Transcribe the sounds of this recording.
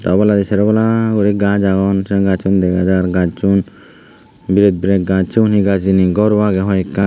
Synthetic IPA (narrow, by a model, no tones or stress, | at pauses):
t̪ɔbɔlad̪isɛɾɛbɔlaɡuɾiɡãd͡ʒaɡɔnsɛɡat͡ʃund̪ɛɡad͡ʒaɾɡad͡ʒt͡ʃun | biɾɛt̪̚biɾɛt̪̚ɡãt͡ʃunɦiɡad͡ʒiniɡɔɾwaɡɛɦɔjka